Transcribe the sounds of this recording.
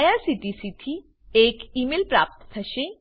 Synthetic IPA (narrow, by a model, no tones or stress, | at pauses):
jasiʈisit̪ʰi | ekimelpɾa̰ːp̚t̪t̪ʰɐʃe